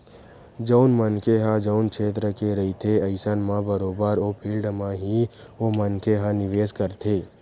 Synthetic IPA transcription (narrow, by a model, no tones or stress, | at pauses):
d͡ʒɔʊnmənkeɦãd͡ʒəʊnkʰeːt̪ɾəkeɾɐɦit̪ʰeɐɪsənmãbəɾoːbaɾoːpʰiːlɖmãɦiomənkeɦãnɪʋeːskəɾt̪ʰeː